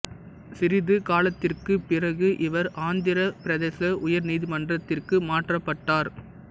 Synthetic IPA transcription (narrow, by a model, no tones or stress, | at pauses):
sɪɾɪðɯkaːlɐt̪ːɪrkɯpːɪrɐɣɯʔɪʋɐɾʔaːnd̪ɪɾɐpɪɾɐðeːsɐʔʊjɐɾniːðɪmɐndrɐt̪ːɪrkɯmaːʈrɐpːɐʈːaːɾ